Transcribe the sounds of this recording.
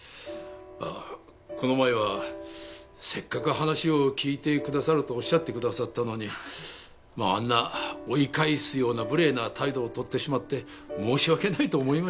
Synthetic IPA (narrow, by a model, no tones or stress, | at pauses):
a̰ | kʰo̞no̞mae̞βa | se̞kːakɯ̟ɦanaɕio̞kʲiːt̪e̞kɯd̪asaɾɯ̟t̪o̞ːɕːat̪ːe̞kɯ̟d̪asat̪ːano̞ɲ̟i | maa̰nːao̞ikaisɨjo̞ːnabɯ̟ɾe̞ːnat̪ʰaid̪o̞ːt̪o̞t̪ːe̞ɕimat̪ːe̞ | mo̞ːɕiβake̞nait̪o̞ːmoima